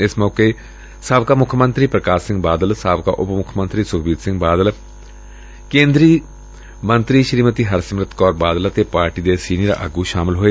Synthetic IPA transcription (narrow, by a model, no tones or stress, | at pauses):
ɪsmɔːkeː | saːbkaːmʊkʰmə̃nt̪ɾiːpɾəkaːsɪ̃ŋɡbaːd̪əlsaːbka̰ːʔʊpmʊkʰːmə̃nt̪ɾiːsʊkʰbiːd̪sɪ̃ŋɡbaːd̪əl | kẽːnd̪ɾiː | mə̃nt̪ɾiːʃɾiːmət̪iːɦəɾsəmɾət̪kɔːɾbaːd̪ələt̪eːpaːɾʈiːd̪eːsiːniɾa̰ːʔə̰ɡuːʃaːmɪlɦoːeː